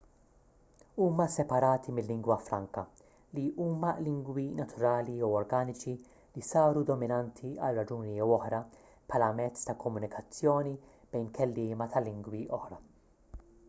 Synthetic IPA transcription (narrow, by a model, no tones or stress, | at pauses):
uːmɐsɛpɐɾɐːt̪ʰimɪlːɪŋɡwɐfɾɐŋkɐ | liʔuːmɐlɪŋɡwinɐt̪ʰʊɾɐːliɔwɔɾɡɐːnɪt͡ʃi | lisɐːɾud̪ɔmɪnɐnt̪ʰiɐ̰lrːɐd͡ʒuːniɛwɔħɾɐ | pʰħɐːlɐmɛt͡sːt̪ɐkɔmːʊnɪkʰɐt͡sːjɔːni | b̥ɛjnkʰɛlːɪːmɐt̪ʰɐlːɪŋɡwiʔɔħɾɐ